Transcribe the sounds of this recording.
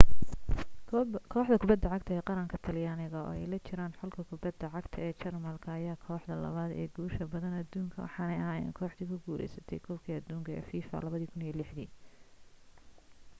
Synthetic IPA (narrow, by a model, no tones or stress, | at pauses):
kʰɔːħd̪ɐkʰʊbɐd̪ːɐʕɑɡt̪ʰɐɛːqɑɾɐŋkʰɐt̪ʰɐljaːnɪɣɐɔ̰ːɛ̰jlɐt͡ʃʰɪɾaːnħɔlkʰɐkʰʊbɐd̪ːɐʕɑɡt̪ʰɐɛːt͡ʃɐrmɐlkʰɐɐjaːkʰɔːħd̪ɐlɐ̰βaːd̪ɛ̰ːɡuːʃɐbɐðɐnɐd̪uːŋkʰɐwɑ̰ħɑnɛjɐɦaːja̰ːŋkʰɔːħd̪iːkʰʊɡuːɾɛ̰jsɐt̪ʰɛ̰jkʰɔlkʰiːɐd̪uːŋkʰɐɛ̰ːfiːfɐ̰lɐβɐðiːkʰʊnijɔlɪħd̪iː